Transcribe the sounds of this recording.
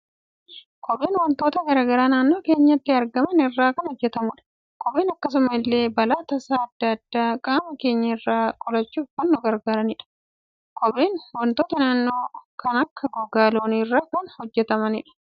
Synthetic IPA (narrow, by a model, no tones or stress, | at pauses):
kɔbe̞ːnwɐnt̪oːt̪ɐɡɐɾaːɡɐɾaːnaːnːo̞ːke̞ːɲːɐt̪ːɪɐɾɡɐmɐnɪrːaːkɐnhɔd͡ʒːɛt̪ɐmʊᶑɐ̥ | kɔɓe̞ːnɐkːɐs̬ʊmɐɪlːe̞ːbɐlaːt̪ɐsaːɐd̪ːɐɐd̪̥ːaːkʼaːmɐke̞ːɲːɐɪrːaːkʼɔlɐt͡ʃːuːfɐnːʊɡɐɾɡaːɾɐnɪᶑɐ̥ | kɔbeːnwɔnt̪o̞ːt̪ɐnaːnːo̞ːkɐnɐkːɐɡɔɡaːloːnɪrːaːkɐnhɔd͡ʒːɛt̪ɐmɐnɪᶑɐ̥